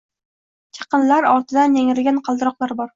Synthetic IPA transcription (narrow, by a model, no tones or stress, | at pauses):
kʲʰɑ̥qɨnlaɾɒɾt̪ʰɪd̪anːeŋɪɡʲanqʰɑlˠd̪ɪɾɒqlˠaɾbɒɾ